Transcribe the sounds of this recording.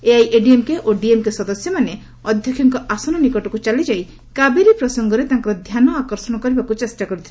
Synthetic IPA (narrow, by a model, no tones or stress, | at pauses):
eajʔeɖiemkeʔoɖiemkesɔd̪ɔsjɔmane | ɔd̪ʱjɔkʰjɔŋkɔasɔnɔnikɔʈɔkut͡ʃalid͡ʒaj | kabeɾipɾɔsɔŋɡɔɾet̪ãŋkɔɾɔd̪ʱjanɔakɔɾsɔnɔkɔɾibakut͡ʃesʈakɔɾit̪ʰil